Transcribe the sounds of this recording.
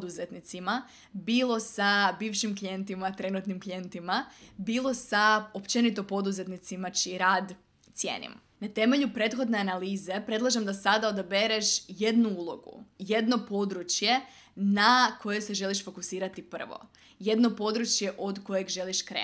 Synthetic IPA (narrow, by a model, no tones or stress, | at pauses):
d̪uzet̪nit̪sima | biːlˠo̞sabiːʋʃimklije̞nt̪imat̪ɾe̞nut̪nimklije̞nt̪imabiːlˠo̞saopt͡ʃe̞nit̪o̞po̞d̪uze̞t̪nit̪simat͡ʃiɾaːd̪ | t̪sjḛːnḭm | nat̪e̞meʎupɾe̞ːt̪xo̞d̪ne̞analiːze̞pɾe̞d̪lˠaʒemd̪asad̪aod̪abeɾeʃjed̪nuuːlˠo̞̰ɡṵje̞d̪no̞po̞d̪ɾut͡ʃje̞ | nakʰo̞je̞se̞ʒe̞liʃfo̞kusiːɾat̪ipr̩ʋo̰ | je̞d̪no̞po̞d̪ɾut͡ʃje̞ʔo̞d̪ko̞je̞ɡʒe̞liʃkɾḛː